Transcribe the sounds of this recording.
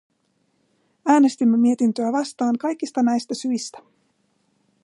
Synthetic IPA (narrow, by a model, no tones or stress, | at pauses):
æːne̞st̪imːe̞mie̞t̪int̪øæʋɑst̪ɑːŋkɑjk̟ːist̪ɑnæjst̪æsyjst̪æ̥